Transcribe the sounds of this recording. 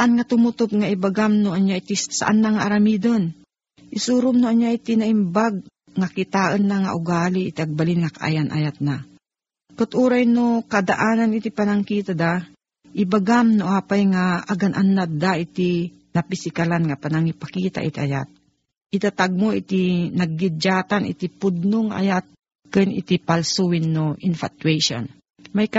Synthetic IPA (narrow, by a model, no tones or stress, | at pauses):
aʔanŋat̪ʊmʊt̪ʊp̚ŋaibaɡamnʊʔaɲait̪isa̰ʔanːaŋaʔːɾamiːd̪on | ʔɪsuːɾʊmnʊaɲjait̪inaʔɪmbaɡ̚ | ŋakit̪aːʔənːaŋa̰ʔʊɡaːliʔːt̪iaɡ̚balɪnŋaka̰ʔa̰janʔa̰jat̪̚na | kʊt̪ʔuːɾajnokad̪aʔaːnanit̪ipanaŋkiːt̪ad̪a | ʔɪbaɡamnoʔaːpajŋaaɡanʔanːad̪aʔit̪i | napɪsɪkalanŋapanaŋipakiːt̪a̰ʔḭt̪iʔajat̪̚ | ʔɪt̪at̪aɡ̚moit̪inaɡ̚ːɪd͡ʒaːt̪anɪ̰t̪ipʊd̪̚nʊŋaʔa̰jat̪̚ | kənʔɪ̰t̪ipalsuwɪnːoɪnfa̰t̪uwejʃo̰n | majk